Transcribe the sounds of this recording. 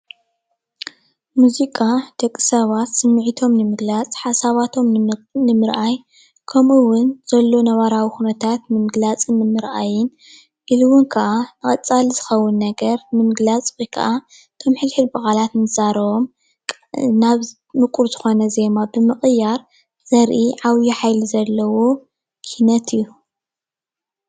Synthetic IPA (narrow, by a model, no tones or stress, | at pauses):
muzikʼad̪̥ɐkʼːɨ̥sɐβat̪sɨmːɨʕit̪ʰo̞mnɨmɨɡlat͡sʼħasaβat̪ʰo̞mnɨmɨɾʔaj | kʰɐmʔɨwʊnz̥ɐlːo̞nɐβaɾawixunɐt̪ʰat̪nɨmɨɡlat͡sʼɨnːɨmɨɾʔajɪn | ʔilɨwʊnkʰɐʔanɨχʼɐt͡sʼalizɨxɐwːʊnːɐɡɐɾnɨmɨɡlat͡sʼwojkʰɐ̰ʔa | t̪ʰomħɨlħɨd̪bɐkʼalat̪nɨz̥aɾɐβo̞m | naβ | mɨkʼuɾzɨxo̞nɐze̞mabɨmɨχʼɨjːaɾ | z̥ɐɾʔiʕaβjiħajlizɐlːɐwo̞ | kʰinɐt̪ʰɨjːu